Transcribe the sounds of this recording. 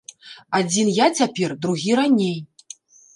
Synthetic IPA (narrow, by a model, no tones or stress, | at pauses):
ad͡zʲinjat͡sʲapʲɛrd̪ɾuɣʲiɾanʲej